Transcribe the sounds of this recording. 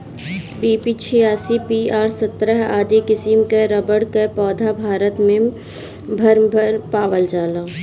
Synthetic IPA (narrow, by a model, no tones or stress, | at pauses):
biːpit͡ʃʰijaːsipiaːɾsət̪ɾəɦaːd̪ikɪsimkeɾəbəɽkəpɔːd̪ʱabʱaːɾət̪mẽ | bʱəɾbʱəɾpaːʋəld͡ʒaːla